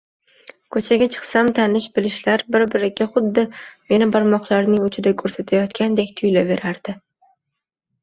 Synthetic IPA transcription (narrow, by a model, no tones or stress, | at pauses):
kʰɵt͡ʃʰaɡʲat͡ʃʰɨ̥qsamt̪ʰanɪʃbɪlɪʃlaɾbɪɾbɪɾɪɡʲaχʊd̪ːɪme̞nɪbaɾmɒχlˠaɾnɪŋʊt͡ʃʰɪd̪akʰɵɾsat̪ʰajɒt̪kʲʰand̪ekʲt̪ʰʊjlabe̞ɾaɾd̪̥ɪ